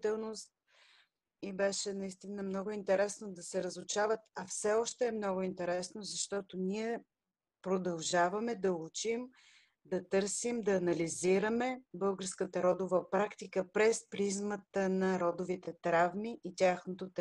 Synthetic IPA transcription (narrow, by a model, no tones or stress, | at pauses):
t̪ɛlˠnost̪̚ | ibɛʃɛnɐist̪inəmnɔɡʊint̪ɛɾɛsnod̪ɐsɛɾəzʊt͡ʃavət̪ɐfsɛɔʃt̪ɛːmnɔɡʊint̪ɛɾɛsnozɐʃt̪ɔt̪oniɛ | pɾod̪ɐlˠʒavəmɛd̪ɐut͡ʃim | d̪ɐt̪ɤɾsimd̪ɐːnɐliziɾəmɛbɤlˠɡəɾskət̪əɾɔd̪ovɐpɾakt̪ikəpɾɛspɾizmət̪ənɐɾɔd̪ʊvit̪ɛt̪ɾavmiʔit̪ʲaxnot̪ot̪